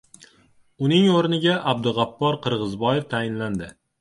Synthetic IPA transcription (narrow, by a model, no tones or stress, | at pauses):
ʊnɪŋoɾnɪɡʲaʔab̚d̪ɪʁɑpːɒɾqʰɨɾʁɨzbɒjeft̪ʰajɪnland̪ɪ